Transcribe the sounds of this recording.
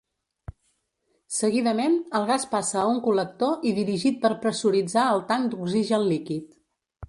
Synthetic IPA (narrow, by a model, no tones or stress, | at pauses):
səɣ̞iðəmenəlˠɣaspasəːuŋkulək̚t̪oʔiðiɾiʒit̪̚pəɾpɾəsuɾid͡zaəlˠt̪aŋd̪uɡziʒənlikit̪